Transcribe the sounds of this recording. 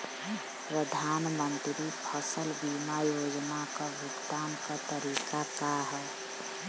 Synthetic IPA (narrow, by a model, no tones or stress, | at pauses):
pɾəd̪ʱaːnmənt̪ɾipʰəsəlbimajoːd͡ʒnakabʱʊkt̪aːnkat̪əɾiːkakaɦɛ